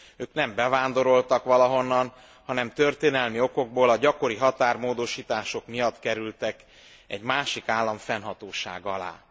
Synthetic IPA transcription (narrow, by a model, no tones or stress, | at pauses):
øːknɛmbɛvaːnd̪o̞ɾo̞lt̪ɒkʋɒlɒɦo̞nːɒn | hɒnɛmt̪ørt̪eːnɛlmio̞ko̞ɡ̚boːlɒɟɒko̞ɾiɦɒt̪aːrmoːd̪o̞ʃiːt̪aːʃo̞kmijɒt̪kɛɾylt̪ɛk | ɛ̰ɟmaːʃikaːlːɒɱfɛnɦɒt̪oːʃa̰ːɡɒla̰ː